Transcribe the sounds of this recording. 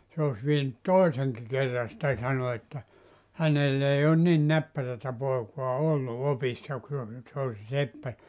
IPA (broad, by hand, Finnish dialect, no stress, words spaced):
se os ʋienyt toiseŋki kerːɑ sĭtæ sɑno etːæ hænelː ei on nin næpːærætæ poekuɑ olːu opisːɑ ku se se olʲ se sepːæ